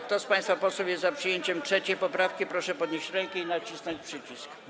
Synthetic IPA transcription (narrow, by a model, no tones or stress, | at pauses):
kt̪ɔspaj̃st̪fapɔswufjɛst̪zapʂɨjeɲt͡ɕɛmtʂɛt͡ɕejpɔpɾafkʲipɾɔʂɛpɔd̪ɲeɕt͡ɕɾɛŋkɛinat͡ɕisnɔɲt͡ɕpʂɘt͡ɕisk